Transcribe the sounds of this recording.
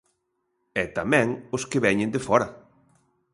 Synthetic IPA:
ɛt̪amɛ̃ŋʊskɪβɛɲɪ̃nd̪efɔɾɐ

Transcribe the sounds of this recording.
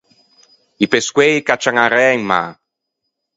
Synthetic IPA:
ipeskwɛjkat͡ʃːaŋaɾɛːjŋma̰

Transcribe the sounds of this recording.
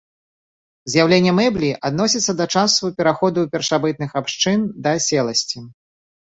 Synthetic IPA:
zʲjawlʲenʲːɛmɛblʲiʔad̪nɔsʲit̪sːɐd̪ɐt͡ʂasupʲɛɾaxɔd̪uːpʲɛrʂabɨt̪̚nɨxapʂt͡ʂɨnd̪ɐsʲɛlˠɐsʲt͡sʲi

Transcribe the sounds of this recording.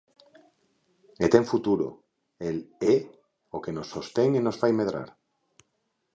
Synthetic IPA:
et̪e̞ɱfut̪uɾo̰ | ele | oke̞no̞sːo̞st̪e̞ŋino̞sfajme̞ðɾa̰ɾ

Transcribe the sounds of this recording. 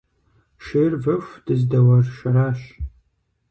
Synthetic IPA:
ʃeːrvɐfʷd̥ɨzdɐwɐrʃɐɾaːɕ

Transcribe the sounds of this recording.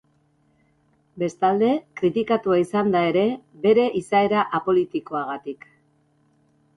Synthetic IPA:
be̞st̪ald̪e̞kɾit̪ikat̪uaisand̪ae̞ɾe̞be̞ɾe̞ʔisae̞ɾaʔapo̞lit̪iko̞aɣ̞at̪ik

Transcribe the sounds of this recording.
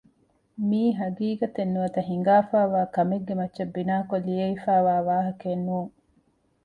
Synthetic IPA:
miːɦɐɡiːɡɐt̪enːuʋɐt̪ɐɦiŋ̆ɡaːfaːʋaːkɐmeɡːemɐtːʃɐbːinaːkolijeifaːʋaːʋaːɦɐkenːuːŋ

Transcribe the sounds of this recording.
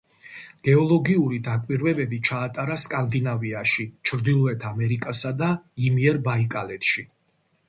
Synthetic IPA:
ɡ̥ɛɔlˠɔɡiuɾid̪akʼwiɾvɛbɛbit͡ʃʰaːt̪ʼaɾaskʼand̪inaviaʃit͡ʃʰɾd̪ilˠɔɛt̪ʰamɛɾikʼasad̪aimiɛɾbaikʼalɛt̪ʃi

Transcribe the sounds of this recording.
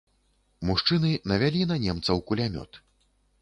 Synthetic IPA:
muʂt͡ʂɨnɨnɐvʲalʲinɐnʲɛmt̪sɐwkulʲamʲɔ̰t̪

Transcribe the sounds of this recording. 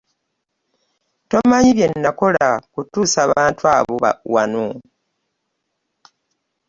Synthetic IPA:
to̞maɲiβje̞nːako̞lakutuːsaːβaːntwaːβoβa̰wano

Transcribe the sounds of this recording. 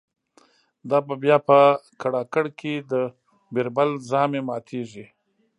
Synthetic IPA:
d̪ɑbabjɑpəkaɽɑkaɽkʰed̪ə | beɾbalzɑmemɑt̪ʰeʐi

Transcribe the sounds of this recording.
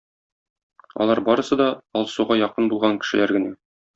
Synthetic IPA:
ɒ̰lˠɑɾbɒɾɤ̆sɤd̪ɒɒlˠsuʁɑjɒqɤnbulˠʁɑŋkɘ̥̆ʃɘ̆læɾɡɘ̆næ

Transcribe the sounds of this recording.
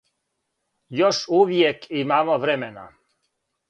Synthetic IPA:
joʃuːʋjekimamoʋɾɛmena̰

